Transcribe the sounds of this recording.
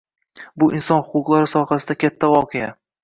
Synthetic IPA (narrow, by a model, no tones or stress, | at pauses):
bʊʔɪnsɒnhʊqʊqlˠaɾɪsɒχasɪd̪akʲʰat̪ʰːavɒqʰeja